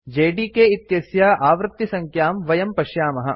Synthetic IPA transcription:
d͡ʒeːɖiːkeit̪jɐsjaʔaːʋɾɨt̪ːisɐŋkʰjaːmʋɐjɐmpɐʃjaːmɐɦɐ̆

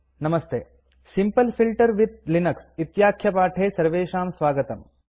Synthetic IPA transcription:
nɐmɐst̪ḛː | simpɐlfʰilʈɐɾʋit̪̚linɐksit̪jaːkʰːjɐpaːʈʰeːsɐɾʋeːʃaːmsʋaːɡɐt̪ɐm

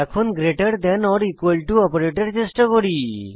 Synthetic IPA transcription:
ɛkʰonɡɾeʈəɽd̪ɛnɔɾikuəlʈuɔpoɾeʈeɾt͡ɕesʈɔkoɽi

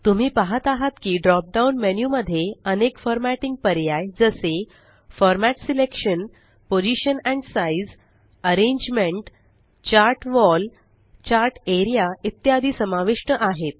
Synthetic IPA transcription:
t̪um̤iːpaɦət̪aɦat̪kiːɖɾɔp̚ɖaunmenjuməd̪ʱːjeənekfɔɾmæʈĩŋɡ̚pəɾjajd͡zəse | fɔɾmæʈsilekʂən | pod͡ʑiɕənɛ̃ɳɖsaiz | əɾẽɲd͡ʑmeɳʈ | t͡ɕaɾʈʋɔl | t͡ɕaɾʈeɾijait̪jad̪ʱiːsəmaʋiʂɳəʔaɦet̪̚

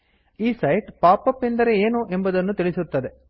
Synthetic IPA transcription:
iːsɐjʈpaːpɐpːend̪ɐɾe̞eːnuʔe̞mbɐd̪ɐnːut̪iɭisut̪ːɐd̪e̞

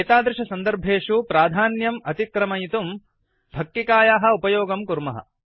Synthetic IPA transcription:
eːt̪aːd̪ɾɐʃɐsɐnd̪ɐɾbʱeːʃupɾaːd̪ʱaːnjɐmɐt̪ikɾɐmɐjit̪um | bʱɐk̚t̪ikaːjaːɦɐ̆upɐjoːɡɐmkuɾmɐɦɐ̰

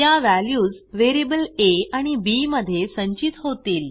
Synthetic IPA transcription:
jaʋæljuːd͡zʋeɾibəleaɽ̃ibiməd̪ʱːjesəɲt͡ɕit̪ɦot̪iːl

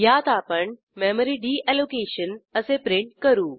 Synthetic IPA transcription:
jaːt̪aːpɐɳ | meːməɾiːɖiːʔeːloːkeːʃənɐsẽpɾɪ̃ɳʈkɐɾuː

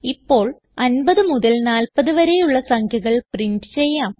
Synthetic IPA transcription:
ipːo̞ːɭ | ɐnbɐðɨmuðɐlnaːlpɐðɨʋɐɾe̞juɭːɐsɐŋkʰjuɣɐɭpriɳɖɨt͡ɕe̞jːaːm

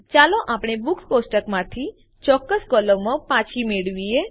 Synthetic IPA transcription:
t͡ʃaloʔapɳ̃ebuksposʈəkmãt̪ʰi | t͡ʃɔkːəskɔləmãpãt͡ʃʰimeɭʋie

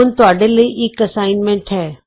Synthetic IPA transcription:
ʊnɪ̆t̪ʊaːɽeləiʔɪkɐsaːɪnmẽɳʈɦɛː

